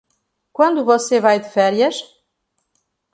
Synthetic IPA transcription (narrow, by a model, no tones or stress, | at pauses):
kwɐ̃nd̪uvɔsevajd̪ɨfɛɾjɐʃ